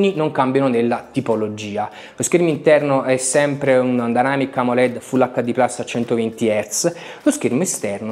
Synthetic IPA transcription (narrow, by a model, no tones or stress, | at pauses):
ninoŋkambjanonelːat̪ipolod͡ʒiːa | loskermint̪ɛrnoʔɛsːɛmpɾeund̪anaːmikamolɛd̪fulːakːad̪iplasːat͡ʃɛnt̪ovent̪iɛrt̪slosk̟ermest̪ɛrno